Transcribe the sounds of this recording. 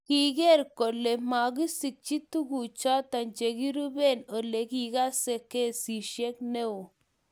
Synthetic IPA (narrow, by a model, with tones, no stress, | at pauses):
ki˦ɡe˦ɾko˨lːe˨ma˨ɡi˦si˨k̚t͡ʃi˦t̪u˦ɡu˨t͡ʃa˦t̪a˨nd͡ʒe˨ɡi˦ɾu˦be˦no˨le˨kiɡa˦se˨ke˦si˨ʃe˦kne˦o˨